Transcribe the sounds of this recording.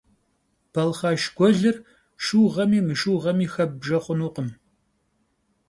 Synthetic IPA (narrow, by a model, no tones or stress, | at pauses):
b̥ɐlχɑːʃɡʷɔɮɨr | ʃuːʁɐmiːmɨʃuːʁɐmiːxɐb̚ʒɐχʷʊnuːqəm